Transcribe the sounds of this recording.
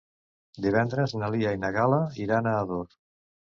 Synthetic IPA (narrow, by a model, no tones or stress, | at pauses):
d̪iβɛnd̪ɾeznaliainaɣalaiɾanaːðoɾ